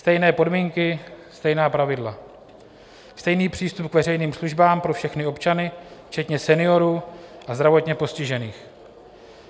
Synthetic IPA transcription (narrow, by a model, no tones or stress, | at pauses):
st̪ɛjnɛːpo̞dmiːŋkɪst̪ɛjnaːpɾavɪdla | st̪ɛjniːpr̝̥iːst̪upkvɛrɛjniːmsluʒbaːmpɾo̞fʃɛxnɪo̞pt͡ʃanɪft͡ʃɛt̪ɲɛsɛnɪo̞ɾuːʔazd̪ɾavo̞t̪ɲɛpo̞scɪʒɛniːx